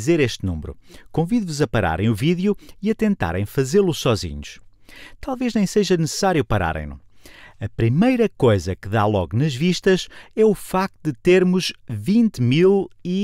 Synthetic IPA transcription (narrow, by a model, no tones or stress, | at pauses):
zeɾeʃt̪nṵ̃mɾṵkõviðvuzɐpɐɾa̰ɾɐ̃j̃uviðjuiɐt̪ẽnt̪a̰ɾɐ̰̃j̃fɐzeɾlˠusɔzḭɲuʃ | t̪alˠveʒnẽj̃seʒɐnɨsɨ̥saɾjupɐɾa̰ɾɐ̰̃j̃nṵɐpɾimɐjɾɐkojzɐkɨða̰lˠɔɣunɐʒviʃt̪ɐʃɛufak̚t̪uðɨt̪eɾmuʒvĩnt̪milˠi